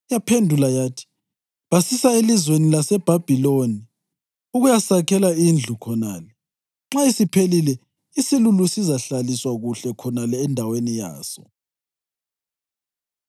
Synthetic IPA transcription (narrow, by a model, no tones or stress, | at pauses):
japʰendʱulajaːtʰi̥ | βasisaelizwenilasɛb̥ʱab̥ʱiloni | uɣujasakʰɛlaind͡ɮʱukʰɔnaːlɛ | ŋ͡ǁaisipʰelilɛ | isilulusizaɬaliswaɣuɬɛkʰɔnalɛːndʱawenija̰ːsɔ̰